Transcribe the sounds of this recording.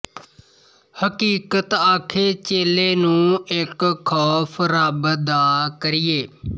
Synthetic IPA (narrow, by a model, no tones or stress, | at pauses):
həkiːkət̪aːkʰeːt͡ʃeːleːnũːɪkʰːɔːpʰɾaːbəd̪aːkəɾɪjeː